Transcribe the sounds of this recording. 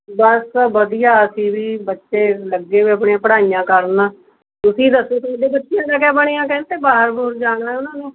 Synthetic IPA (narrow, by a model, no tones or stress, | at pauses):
bəsʋəd̪ijaːəsĩːʋiːbətːʃeːləɡːeːʋiːəpɳẽãːpəɽaːijãːkəɾnãː | t̪ʊsĩːd̪əsoːt̪omd̪eːbətːʃijãːkaːkɛːbəɽ̃eːãːkɛ̃ːnt̪eːbaːɦəɾboːɾd͡ʒaːɽaɦɛːʊnãːneː